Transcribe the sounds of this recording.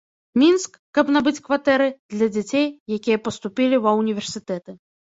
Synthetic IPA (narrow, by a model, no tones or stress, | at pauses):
mʲinskːɐbnabɨt͡sʲkvat̪ɛɾɨd̪lʲɐd͡zʲat͡sʲejːakʲijɐpɐst̪upʲilʲivɐwnʲivʲɛrsʲɨt̪ɛt̪ɨ